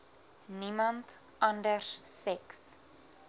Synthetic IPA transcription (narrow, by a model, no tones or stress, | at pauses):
nimɐnt | ɐndərsːɛks